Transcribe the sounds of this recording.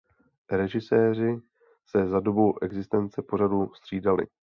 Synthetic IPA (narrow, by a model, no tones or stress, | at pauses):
ɾɛʒɪsɛːr̝ɪ | sɛzado̞bo̞wʔɛɡzɪst̪ɛnt͡sɛpo̞ɾadust̪r̝̥iːdalɪ̰